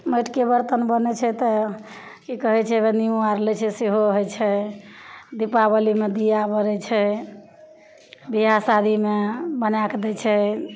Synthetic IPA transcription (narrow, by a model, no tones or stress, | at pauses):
meʈkebəɾt̪ənbənɛt͡ʃʰɛt̪ɔ | kikəɦɛt͡ʃʰɛbeniũaɾlɛt͡ʃʰɛseɦoɦojt͡ʃʰɛ | d̪ipabəlimed̪ijabəɾɛt͡ʃʰɛ | biɦasad̪ʱimebənakd̪ɛt͡ʃʰɛ